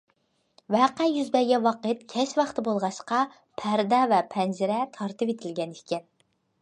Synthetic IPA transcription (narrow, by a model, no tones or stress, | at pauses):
wæqæjyzbɛɡʲɛwɑqət̪kʲʰɛʃwɑχt̪ʰɨbolˠʁɑʃqɑ | pʰæɾd̪ɛvɛpʰɛnd͡ʒɪɾɛt̪ʰɑɾt̪ɨpet̪ʰɪlɡʲɛniʃkʲɛn